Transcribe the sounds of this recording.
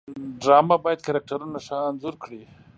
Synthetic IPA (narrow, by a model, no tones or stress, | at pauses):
ɖɾɑmabɑjad̪̚kaɾɑk̚ʈaɾunaʂanzʊɾkɽi